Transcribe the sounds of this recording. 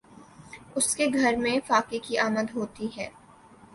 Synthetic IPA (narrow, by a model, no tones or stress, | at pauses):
ʊskeɡʱɐɾmẽfaːkikiaːməd̪ɦoːt̪iɦɛː